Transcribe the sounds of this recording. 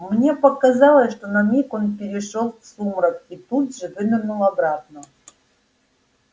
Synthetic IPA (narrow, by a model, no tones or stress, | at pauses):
mnʲepəkazɑlˠəsʂt̪onɐmʲikonpʲɪɾʲɪʂolˠksumɾəkit̪ud̪ʐɨvɨd̪ʲɪnulˠɐbɾat̪̚nə